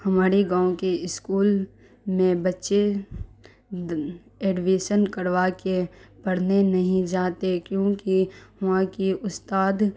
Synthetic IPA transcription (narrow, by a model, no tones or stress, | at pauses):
hɐmaːɾeɡãːõkeɪskuːl | mẽbɐtːʃe | eːɖʋeːʃənkəɽʋakepɐɽ̤nenɐɦĩd͡ʒaːt̪ekjõːkiɦãkiʊst̪aːd̪